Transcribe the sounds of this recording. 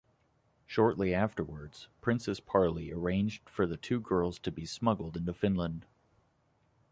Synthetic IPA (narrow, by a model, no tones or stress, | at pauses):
ʃɔɹʔˡliæftə˞wə˞dz̥pʰɹ̥ɪ̃nsɨspʰɑɹlˠiə˞ẽɪ̃nd͡ʒd̥fə˞ðɨtʰʉɡɜ˞lˠz̥tʰɨbismʌɡl̩ˠdɪ̃ntʉfɪ̃nlə̃nd̥